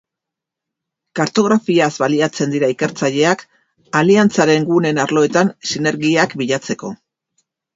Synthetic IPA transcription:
kaɾt̪o̞ɣɾafiazβaliat͡se̞nd̪iɾaike̞ɾt͡saʎe̞ak | aliant͡saɾe̞ŋɡune̞naɾlo̞e̞t̪ansine̞ɾɣiakbiʎat͡se̞ko̞

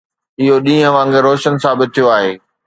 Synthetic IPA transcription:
ɪɦoɗĩːɐʋãkʰeɾoːʃənsaːbɪt̪̚t̪ʰːijoaːɦeː

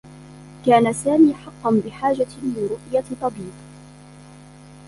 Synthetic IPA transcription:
kaːnasaːmiːħɑqːɑnbɪħaːd͡ʒalɪɾʊʔjat̪ˤɑbiːɡ

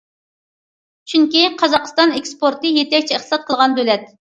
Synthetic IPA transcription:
t͡ʃʰyŋkʲiqʰɑzɑqst̪ɑnekspoɾt̪ɨjet̪ɛk̚ʲt͡ʃʰɛəχt̪ə̥sɑt̪̚qʰəlˠəʁɑnb̪ølɛt̪̚

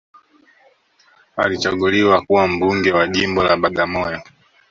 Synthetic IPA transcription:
a̰lit͡ʃaɡuliwakuwam̩buŋɡɛwaʄimbɔlaɓaɡamɔjɔ

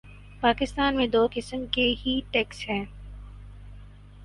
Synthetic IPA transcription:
paːkɪst̪aːnmẽd̪oːkɪsəmkeɦiʈɛːksɦɛ̃ː

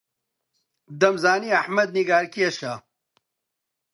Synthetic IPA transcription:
d̪ɐmzaːniːɐħmɐd̪̚niɡaːɾkijɐʃa

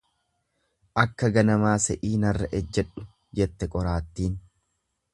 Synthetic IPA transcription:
ʔɐkːɐɡɐnɐmaːsɛʔiːnɐrːɐʔɛd͡ʒːɛᶑʊ̥ | d͡ʒɛt̪ːɛkʼɔɾaːt̪ːiːn

